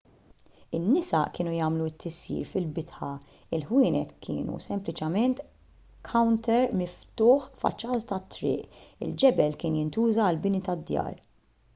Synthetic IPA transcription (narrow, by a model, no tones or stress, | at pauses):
ɪnːɪsɐkɪːnujɐːmluɪt̪ʰːɪsːḭːɾfɪlbɪt̪ħɐ | ɪlħwɪːnɛt̪kʰɪ̰ːnṵsɛmplɪt͡ʃɛmɛnt̪ | kʰɐwnt̪ɛɾmɪft̪ʊːħfɐ̰t͡ʃːɐːt̪t̪ɐt̪ːɾɪ̰ːʔɪ̰ld͡ʒɛbɛlkɪːnjɪnt̪uːzɐːlbɪnit̪ɐd̪ːjɐ̰ːɾ